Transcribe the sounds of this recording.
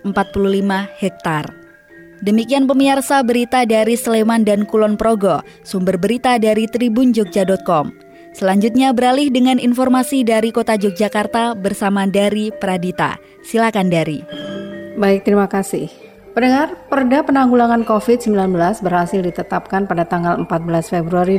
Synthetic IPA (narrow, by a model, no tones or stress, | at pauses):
əmpat̪̚pululimahɛk̚t̪ar | dəmikianpəmiarsabəɾit̪adaɾisəlemandankulɔnpɾoɡo | sumbərbəɾit̪adaɾit̪ɾibund͡ʒɔk̚d͡ʒadɔt̪̚kɔm | səlaɲd͡ʒut̪̚ɲabəɾalɪhdəŋaninfɔrmasidaɾikot̪ad͡ʒɔk̚d͡ʒakart̪abərsamadaɾipəɾadit̪a̰ | silakandaɾi | baɪk̚t̪ɾimakasɪ̰h | pənəŋarpərdapənaŋɡulaŋankofɪt̪̚səmbilanbəlasbərhasɪldit̪ət̪ap̚kanpadat̪aŋɡaləmpat̪̚bəlasfebɾuaɾi